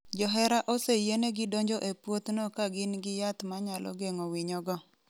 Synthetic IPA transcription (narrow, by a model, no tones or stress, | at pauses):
d͡ʒɔɦɛɾaʔosejeneɡɪdoɲd͡ʒɔʔepwot̪nɔkaɡɪnɡɪjat̪maɲalɔ̰ɡeŋowiɲɔɡɔ